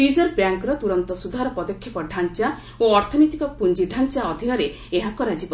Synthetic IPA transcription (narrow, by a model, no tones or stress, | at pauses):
izɔɾbjaŋkɾɔt̪uɾɔnt̪ɔsud̪ʱaɾɔpɔd̪ɔkʰːjɔpɔɖʱant͡ʃa | oɔɾt̪ʰɔnɔt̪ikɔpund͡ʒiɖʱant͡ʃaɔd̪ʱinɔɾe | eɦakɔɾad͡ʒibɔ